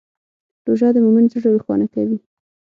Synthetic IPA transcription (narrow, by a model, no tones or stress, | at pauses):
ɾoʒɑd̪əmomɪnzəʐawixwɑ̰nakawi